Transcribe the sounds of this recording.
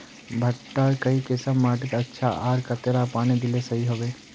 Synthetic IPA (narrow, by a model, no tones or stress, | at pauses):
bʱɐʈːakɐɦikɪsəmːaːʈ̬ɪt̪ɐtːʃʰaʔaːɾkɐt̪eɾapaːñid̪ɪlesɐɦiɦoʋeː